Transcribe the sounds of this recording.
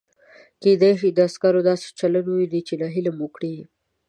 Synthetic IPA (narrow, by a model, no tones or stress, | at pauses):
ked̪ejʃid̪əaskaɾod̪ɑse̥t͡ʃalanuwid̪it͡ʃelaɦilamukɽi